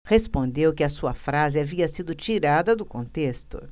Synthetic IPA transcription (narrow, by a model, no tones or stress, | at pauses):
hespõnd̪ewkɪɐsuɐfɾazɪaviɐsid̪ʊt͡ʃiɾad̪ɐd̪ʊkõnt̪est̪ʊ̰